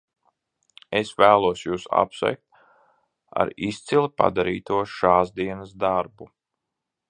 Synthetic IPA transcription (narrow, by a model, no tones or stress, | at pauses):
esvæːlˠuɔsjuːsa̰psvɛ̰jk̚t̪̚ | a̰ɾist̪silˠipa̰d̪aɾiːt̪uɔʃaːzd̪iɛnɐsd̪aɾbu